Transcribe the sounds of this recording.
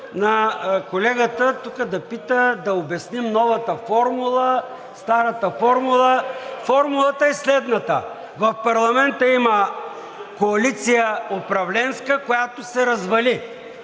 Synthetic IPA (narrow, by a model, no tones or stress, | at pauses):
nɐkolɛɡət̪ət̪ukəd̪ɐpit̪əd̪ɐobɛsnimnɔvɐt̪əfɔɾmulˠə | st̪aɾɐt̪əfɔɾmulˠəfɔɾmulˠɐt̪əɛslɛd̪nɐt̪ə̰ | vɐfpɐɾlˠɐmɛnt̪əimɐ | koɐlit̪sijəopɾɐvlɛnskəkojat̪osɛɾɐzvɐli